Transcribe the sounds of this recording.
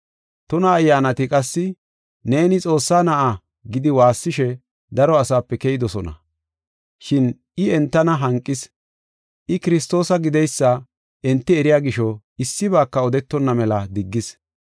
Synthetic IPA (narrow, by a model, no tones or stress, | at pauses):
t̪ʊnɐːjːaːnɐt̪ɪkʼɐsːɪ | ne̞ːnɪt͡sʼo̞ːsːaːnɐʔa | ɡɪd̪ɪwaːsːɪʃɛ | d̪ɐɾɔɐsaːpːɛkɛjɪd̪ɔsɔnɐ̰ | ʃɪn | ɪɛnt̪ːɐnɐɦɐŋkʼːɪs | ʔɪkɪɾɪst̪o̞ːsɐɡɪd̪ɛjsːɐ | ɛnt̪ːɪɛɾɪjaːɡɪʃɔ | ɪsːɪβaːkːɐɔd̪ɛt̪ːɔnːɐmɛlɐd̪ɪɡːɪs